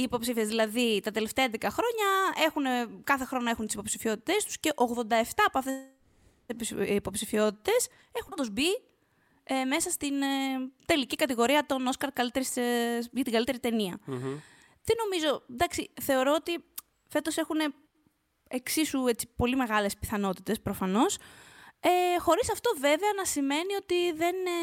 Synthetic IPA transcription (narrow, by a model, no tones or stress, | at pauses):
iːpo̞psifiezðilɐðit̪ɐt̪e̞left̪eɐend̪ekɐxɾo̞ɲɐe̞xunekɐθe̞xɾo̞noe̞xunt̪isipo̞psifio̞t̪i̥t̪e̞st̪u̥sce̞ʔo̞ɣðo̞nd̪ɐe̞ft̪ɐːpoɐft̪e | ipo̞psifio̞t̪i̥t̪e̞s | e̞xund̪ozbi | eme̞sɐst̪int̪e̞licikɐt̪iɣo̞ɾiɐt̪o̞noskɐɾkɐlit̪e̞ɾisʝɐt̪iŋɡɐlit̪e̞ɾit̪e̞niɐ | ðe̞no̞mizo̞d̪ɐksiθe̞o̞ɾo̞ot̪i | fe̞t̪o̞se̞xune̞ | eksisue̞t͡si̥po̞lime̞ɣɐle̞spi̥θɐno̞t̪it̪e̞spɾofɐno̞s | exo̞ɾisɐft̪o̞ve̞veɐnɐsime̞nio̞t̪iðe̞n